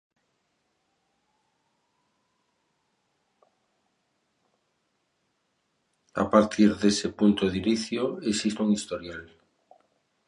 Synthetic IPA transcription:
a̰paɾt̪ʰiɾðesepunt̪oðiniθjoesist̪uŋist̪oɾjal

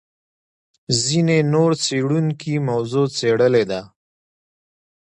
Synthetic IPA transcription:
zinenoɾt͡seɽuŋkimawzot͡seɽəled̪a

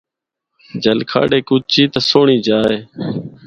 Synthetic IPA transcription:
d͡ʒəlkʰa̰ːɽeːkʊt͡ʃiːt̪əsoːɳiːd͡ʒaːeː

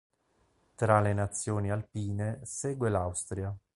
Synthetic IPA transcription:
t̪ɾalenat̪sːjoːnialpiːneseːɡwelawst̪ɾja

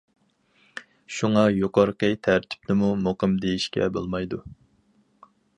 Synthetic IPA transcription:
ʃuŋɑjoqɑɾəqət̪ʰæɾt̪ʰy̥p̚d̪ɪmumoqəmd̪ejiʃkʲɛ̰bo̰lˠmɑjd̪u

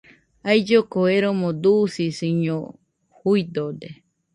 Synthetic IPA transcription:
aid͡ʒokoeɾomõd̪usisiɲõ | huid̪od̪e

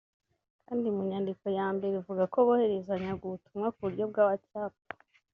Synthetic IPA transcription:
kʰaːndimuɲandiko̞jaːmbe̞ɾivuɡako̞βohe̞ɾe̞zaɲaɡuβutumŋakuβuɾɟo̞b̚ɡaːβacaːp̚o̥

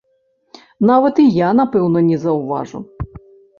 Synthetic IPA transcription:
naʋɐt̪ijanɐpɛwnɔnʲɛzɐwʋa̰ʐʊ̰

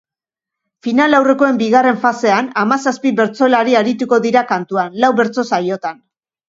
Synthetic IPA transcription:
finalawre̞ko̞e̞mbiɣ̞are̞ɱfase̞anamasaspiβe̞ɾt͡so̞laɾiaɾit̪uko̞ðiɾakant̪uanlawβe̞ɾt͡so̞saɾio̞t̪an

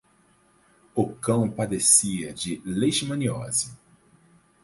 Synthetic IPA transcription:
ʊkɐ̃w̃pad̪esiɐd͡ʒɪlejʃmɐ̃niɔ̰zɪ

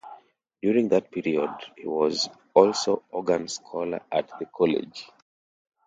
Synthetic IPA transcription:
d̥juɹĩŋðat̚pʰiɹiɔdhḭwɔz | ɔlˠsoɔɡãnskʰɔlə̰ʔat̚ðəkʰɔlɛ̰d͡ʒ

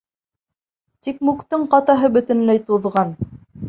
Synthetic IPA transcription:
t̪ikmukt̪ɤɴqɑt̪ɑɦɤbɵ̆t̪ɘ̆nlæjt̪uðʁɑn

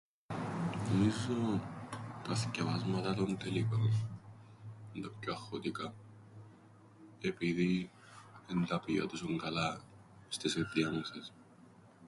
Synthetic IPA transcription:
nomizo | t̪ɐsce̞vɐzmɐt̪ɐt̪ont̪elikon | nd̪ɐpcoɐxot̪ikɐ | e̞piði | end̪ɐpio̰t̪usuŋɡɐlɐ | st̪iset̪iɐnoses

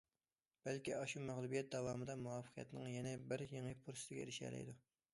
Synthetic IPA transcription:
b̥ɛlkʲiɑʃumæʁlˠubijɛt̪̚d̪ɑwɑːmɨd̪ɑmuwɑːfə̥qʰijɛ̰t̪nɨŋjɛnɛbɪɾjeŋipʰuɾsɪ̥t̪ɪɡʲɛḛɾɪʃɛ̰ːlɛ̰jd̪u

